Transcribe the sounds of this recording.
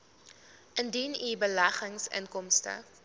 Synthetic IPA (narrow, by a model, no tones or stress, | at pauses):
ʔəndinibəlæχəŋsə̰ŋkɔmstə̰